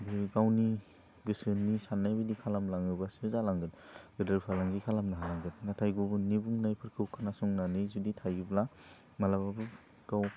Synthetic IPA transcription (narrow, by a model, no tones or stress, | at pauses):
bɯɡawni | ɡɯsɯnːisanːajbɯdikʰalamlaŋɯbasɯzalaŋɡɯtɡɯdɯɾpʰalaŋɡikʰalamnaɦalaŋɡɯt̚natʰajɡubɯnibuŋnajpʰɯɾkʰɯwkʰanasɔŋnanɯjzuditʰajɡɯbla | malababɯ | ɡ̥aw